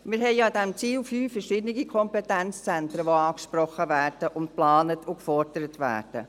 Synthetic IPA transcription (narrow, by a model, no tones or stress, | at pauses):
mɪɾɦɛɪdɛmt͡siːlfyːfɛɾʃɪdnɪɡikʰɔmpɛtɛnt͡st͡sɛntɾəʋoɑːkʃprɔχəvæːɾd̥əʔʊnt̚plɑːnətʊkfɔɾd̥əɾətvæ̰ːrd̥ə̰